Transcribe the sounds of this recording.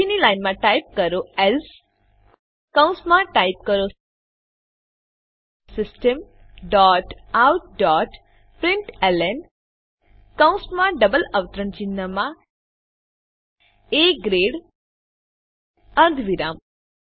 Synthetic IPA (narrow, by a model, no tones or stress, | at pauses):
inilajnmãʈaip̚kəɾoɛls | kãw̃smãʈajp̚kəɾo | sɪsʈəm | ɖɔʈawʈ̚ɖɔʈ | pɾɪɳʈɛlen | kãw̃smãɖəbələʋt̪ɾəɳt͡ʃinːəmã | eɡɾeɽ | əɾd̪ʋiɾam